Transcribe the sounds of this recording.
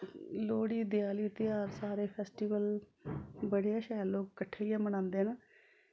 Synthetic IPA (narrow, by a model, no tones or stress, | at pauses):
loːɽiːd̪ɪjaːliːt̪ɪjaːɾsaːɾeːpʰɛːsʈiːʋəl | bəɽejaːʃaːlloːkkəʈʰːeːijãːməñãːnd̪eːnaː